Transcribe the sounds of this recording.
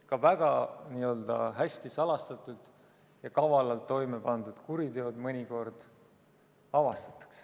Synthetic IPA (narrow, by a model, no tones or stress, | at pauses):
kɑvæɡ̥ɑniːø̞ld̪̥ɑ̰ɦæsʲt̪isɑlɑst̪ɑt̪ːˑud̪̥ | jɑkɑvɑlɑlt̪ːo̞jme̞pɑnd̪ud̪̥kuɾit̪eod̪mɤnʲiko̞rd̪̥ | ɑvɑst̪ɑ̥t̪ːˑɑ̥ks